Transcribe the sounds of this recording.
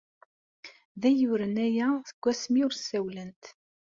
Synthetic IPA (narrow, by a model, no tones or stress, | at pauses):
ðæjuɾənæjæθəɡ̥ʷːæsmiʊɾsæwlənt̪